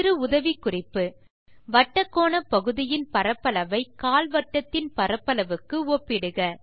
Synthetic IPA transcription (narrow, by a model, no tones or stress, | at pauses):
ɾɯʊðɐʋikʊrɪpːɯ | ʋɐʈːɐkːoːnɐpɐɣɯðɪjɪnpɐɾɐpːɐlɐʋɐɪkaːlʋɐʈːɐt̪ːɪnpɐɾɐpːɐlɐʋɯkːɯoːpːɪɽɯɣɐ